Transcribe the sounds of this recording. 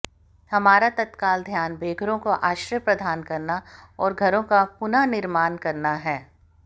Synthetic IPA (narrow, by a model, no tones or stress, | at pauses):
hɐmaːɾat̪ɐt̪kaːld̪ʱjaːnbeːɡɾõkoʔaːʃɾjəpɾɐd̪ʱaːnkɐɾnaɔːɾɡʱɐɾõkapʊnanɪɾmaːnkɐɾnaɦɛː